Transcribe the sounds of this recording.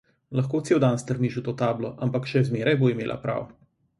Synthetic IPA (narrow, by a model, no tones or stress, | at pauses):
lɐxkoːt̪seːwd̪anst̪əɾniʃut̪oːt̪aːblɔʔampakʃɛzmeːɾajboːimeːlʔa̰pɾa̰ːw